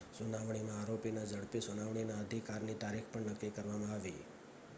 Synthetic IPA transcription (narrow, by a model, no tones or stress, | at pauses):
sunaʋɳ̃imãaɾopinad͡ʒəɽpisunaʋɳ̃inaəd̪ʱikaɾnit̪aɾikʰpəɳnəkːikəɾʋamãaʋi